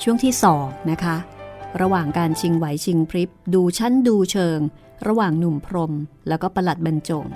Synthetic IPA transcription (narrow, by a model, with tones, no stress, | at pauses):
t͡ɕʰu˥˩əŋt̪ʰiː˥˩sɔː˩˦ŋna˦˥kʰa˦˥ɾa˧waː˨˩ŋkaː˧nt͡ɕʰi˧ŋwa˩˦jt͡ɕʰi˧ŋpʰɾi˦˥p̚duː˧t͡ɕʰa˦˥nduː˧t͡ɕʰɤː˧ŋ | ɾa˧waː˨˩ŋnu˨˩mpʰɾo˧mlɛː˦˥wkɔː˥˩pa˧la˨˩t̪̚ba˧nt͡ɕoː˨˧n